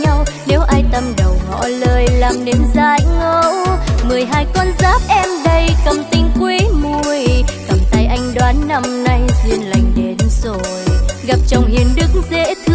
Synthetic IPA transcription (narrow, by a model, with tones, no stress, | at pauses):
a˧wne˨˦wʔaː˧jt̪ə˧mɗə˨˩wŋɔ̰˧˥ləː˧˩jlaː˨˩mne˨˦mzaː˧˦jŋo˧wmɨ˨˩əjɦaː˧jkɔ˧nzaː˦˥p̚ʔɛ˧mɗə˧jkə˨˩mt̪ï˧ŋ̟kwi˨˦mu˧əjkə˨˩mt̪aː˧jʔa˧jŋ̟ɗwaː˨˦nːa˧mna˧jzi˧ənla̰˧˨jŋ̟ɗe˨˦nzo˧˨˩jɣa˨˩p̚t͡ɕa˨˧˩wŋ͡mhi˨˩ənɗɨ˦˥ək̚zḛ˧˥t̪ʰ